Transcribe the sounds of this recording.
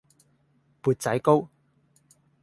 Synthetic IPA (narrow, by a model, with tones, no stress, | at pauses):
puː˨˧t̚t͡sɐ˨˥jko˥w